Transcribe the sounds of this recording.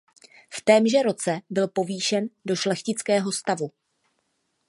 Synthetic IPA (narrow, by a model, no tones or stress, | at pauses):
ft̪ɛːmʒɛɾo̞t͡sɛbɪlpo̞viːʃɛndo̞ʃlɛxcɪt͡skɛːɦo̞st̪avu